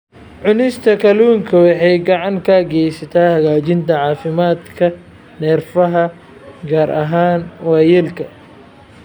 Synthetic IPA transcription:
ʕʊnɪst̪ʰɐkʰɐluːŋkʰɐwɑħɛjɡɑʕɑŋkʰɐɡɛjsɐt̪ʰaːhɐɣaːt͡ʃɪnt̪ʰɐʕɑːfɪmaːd̪kʰɐ | nɛːrfɐɦɐ | ɡaːɾʔɐɦaːnwɑjɪlkʰɐ

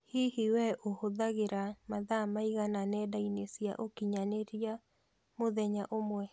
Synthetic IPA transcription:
hihiwɛʔohoðaɣeɾamaðamaiɣananɛdainesja̰ʔokiɲaneɾia | moðɛɲaʔomwɛ

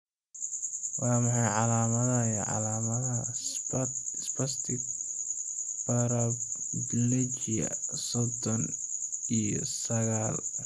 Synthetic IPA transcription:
wɑːmɑħɑjʕɑlaːmɐðɐjɛʕɑ̰laːmɐðɐ | spɐst̪ʰɪk̚ | bɐɾɐblɛt͡ʃijɐ̰sɔd̪ɔnijsɐɣaːl

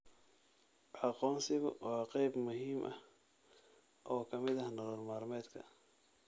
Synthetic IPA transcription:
ʕɑqɔːnsɪɣʊ̰ʔɔqɛjbmʊhiːmʔɐ̰h | ʔɔːkʰɐmɪðɐhnɐlɔːrmaːrmɛːd̪kʰɐ̰

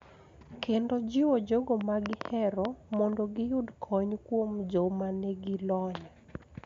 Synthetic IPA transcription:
kendod͡ʒɪwod͡ʒoɡomaɡɪhɛɾɔmɔndoɡɪjʊdkʰɔɲkwomd͡ʒɔmanɛɡɪlɔɲa

